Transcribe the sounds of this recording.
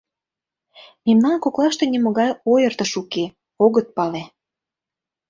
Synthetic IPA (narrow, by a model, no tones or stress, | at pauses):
memnɑnkoklɑʃt̪enʲimə̆ɣɑjojərt̪ə̆ʃuke | oɣət̪̚pɑle